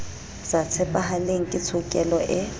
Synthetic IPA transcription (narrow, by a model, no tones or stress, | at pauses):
z̥at͡sʰɛpʼaɦaleŋ̩kʼɪt͡sʰʊkʼɛlɔʔɪ